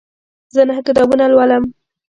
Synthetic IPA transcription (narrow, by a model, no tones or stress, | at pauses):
zənahəkɪt̪ɑbunalwaləm